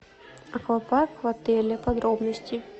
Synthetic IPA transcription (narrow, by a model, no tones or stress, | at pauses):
ɐxlˠɐpakvɐt̪ɛlʲɪpɐd̪ɾobnəsʲtʲɪ